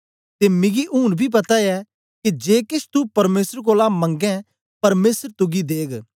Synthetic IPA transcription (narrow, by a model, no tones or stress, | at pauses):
t̪eːmɪ̃ɡiʔʊːnbʱiːp̬ɐt̪ajɛ | kid͡ʒeːkɪʃʰt̪upɐɾmeːsəɾkoːlamɐ̃ŋɡɛ̃ | pɐɾmeːsəɾt̪ʊɡid̪eːɡ